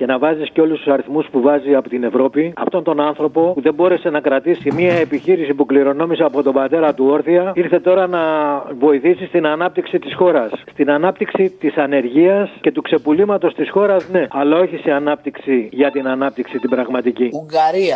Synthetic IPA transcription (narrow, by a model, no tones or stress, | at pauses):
ce̞nɐvɐzisceo̞lust̪usɐɾiθmuspuvɐziɐpot̪ine̞vɾo̞piɐ̰ft̪o̞nt̪o̞nɐnθɾo̞po̞puðe̞mbo̞ɾe̞se̞nɐkɾɐt̪isimiɐe̞piçiɾisipukliɾo̞no̞miseɐpo̞t̪o̞bɐt̪e̞ɾɐt̪uo̞ɾθiɐiɾθe̞t̪o̞ɾɐnɐvo̞iθisist̪inɐnɐp̚t̪iksit̪isxo̞ɾɐsːt̪inɐnɐpt̪iksit̪isɐne̞ɾʝiɐsce̞t̪ukse̞pulimɐt̪o̞st̪isxo̞ɾɐzne̞ɐlɐo̞çiseɐnɐp̚t̪iksiʝɐt̪inɐnɐpt̪iksit̪ibɾɐɣmɐt̪iciuŋɡɐɾiɐ